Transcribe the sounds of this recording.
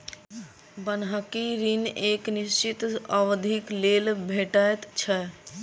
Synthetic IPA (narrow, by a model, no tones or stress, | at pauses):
bənɦəkiɾineːknist͡ʃit̪əwd̪ʱikleːlbʱeːʈaet̪t͡ʃʰɛ